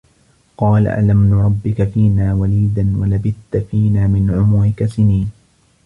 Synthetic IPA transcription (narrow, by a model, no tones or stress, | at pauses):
qɑːla̰ʔa̰lamnaɾˤɑbːɪkafiːnaːwaliːd̪anwalabɪθt̪afiːnaːmɪnʕʊmʊɾɪkasɪniːn